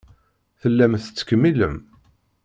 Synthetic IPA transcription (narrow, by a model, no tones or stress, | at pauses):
θəlːæmθət͡sːə̥kəmːilə̰m